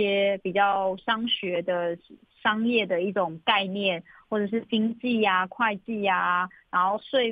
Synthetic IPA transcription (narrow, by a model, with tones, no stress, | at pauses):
ɛ˦pi˨˩t͡ɕjɑ˥˩ʊʂɑ˦ŋɕɥɛ˧˦d̪ə˧ | ʂɑ˥ŋjɛ˥˨˩d̪ə˩i˥˩ʈ͡ʂʊ˨˩ŋka˥˧ɪnjɛ˥˨nxwɔ˥˩ʈ͡ʂɤ˨˩ʂ̬ɻ̩˥˩t͡ɕi˥ŋt͡ɕi˥˩a˨kʰwa˥˧ɪt͡ɕi˥˩a˩a˧˥nxo˥˧ʊswe˥˧ɪ